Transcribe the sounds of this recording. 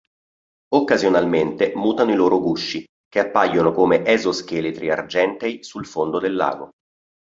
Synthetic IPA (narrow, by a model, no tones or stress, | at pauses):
okːazjonalment̪emuːt̪anoiloːɾoɡuʃːi | k̟eapːajːonokomeʔɛzoskelet̪ɾia̰rd͡ʒɛnt̪ɛjsulfond̪od̪elːa̰ːɡo